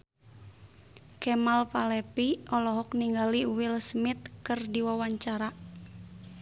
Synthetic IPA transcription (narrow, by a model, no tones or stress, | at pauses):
kɛmalpalɛpiɔlɔɦɔk̚niŋɡaliwilsmit̪̚kɨrdiwawaɲt͡ʃaɾa